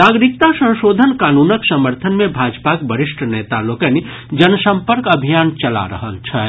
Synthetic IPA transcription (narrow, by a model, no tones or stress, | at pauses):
naːɡɾɪk̚t̪asə̃w̃ʃoːd̪ʱənkaːnuːnəksəməɾt̪ʰənmẽbʱaːd͡ʒpakbəɾɪʃʈʰneːt̪alokəni | d͡ʒənsə̃mpəɾkɐbʱijaːnt͡ʃɐla̰ɾə̰ɦəlt͡ʃʰɛ